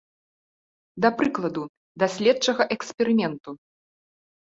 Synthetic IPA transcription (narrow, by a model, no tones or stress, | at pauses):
d̪ɐpɾɨklˠɐd̪u | d̪asʲlʲɛt̪t͡ʂɐɣɐʔɛksʲpʲɛɾɨmʲɛnt̪u